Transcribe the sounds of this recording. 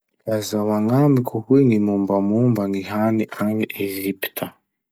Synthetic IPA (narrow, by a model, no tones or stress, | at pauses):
kazawaŋamikʰuhwiŋimumbamumbaŋiɦaniʔaŋiʔeʒiptʰa